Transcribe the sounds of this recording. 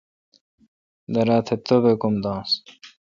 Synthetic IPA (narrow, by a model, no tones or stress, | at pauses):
d̪ɐɾaːt̪ʰet̪obekumd̪ɑ̃ːs